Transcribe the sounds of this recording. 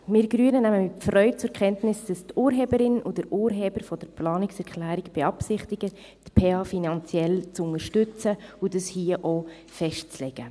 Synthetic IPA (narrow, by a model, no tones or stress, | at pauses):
mɪːɾɡɾyənənæməmɪfrœʏtt͡sʊɾkʰɛntnɪsd̥ɑstuːɾɦeːbəɾɪnud̥əɾuːɾɦeːb̥əɾfɔd̥əɾplɑːnɪksɛɾkʰlæːɾɪɡb̥eɑpsɪχtɪɡ̥ə | tpʰeːɑːfinɑnt͡sjɛlt͡sʊnəɾʃtʏt͡səudɑshiːəʔoː | fɛʃtt͡slɛɡ̥ə